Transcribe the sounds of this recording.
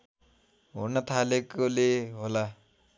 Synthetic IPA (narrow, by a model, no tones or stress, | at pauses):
onat̪ʰalekoleɦola